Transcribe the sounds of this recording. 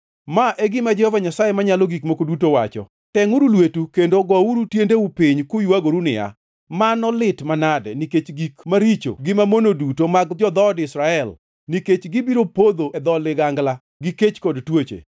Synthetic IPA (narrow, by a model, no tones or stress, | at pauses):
maʔeɡɪmad͡ʒɛhɔvaɲasajemaɲalɔɡikmokodutowat͡ʃɔ̰ | tɛŋuɾulwetukendoɡɔuɾutjendeupiɲkʊjuaɡoɾunɪ̰a̰ | manɔlɪtmanadɛ̰niket͡ʃɡikmaɾit͡ʃo̰ɡɪmamonodutomaɡd͡ʒɔd̪ɔdɪsɾaɛl | niket͡ʃɡɪbiɾopod̪oɛd̪ɔlɪɡaŋɡla | ɡiket͡ʃkɔdtwot͡ʃḛ